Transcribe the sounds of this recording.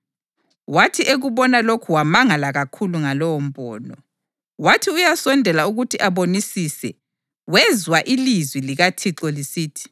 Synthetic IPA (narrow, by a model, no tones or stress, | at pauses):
watʰiʔeɣuβɔnalokʰuwamaŋalaɣakʰuluŋalɔwɔm̩bʱʼɔ̰ːnɔ̰ | watʰiujasɔndʱɛlauɣutʰiʔaβonisisɛ | wɛzwaʔilizwiliɣatʰiǁɔlisiːtʰi̥